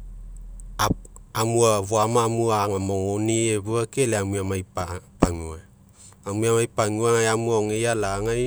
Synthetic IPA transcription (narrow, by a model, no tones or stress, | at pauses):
aamuaβuamaːmuaŋamoŋonieβuakeleamuamajpapaŋua | amuamajpaŋuaŋajamuaoŋejalaŋaj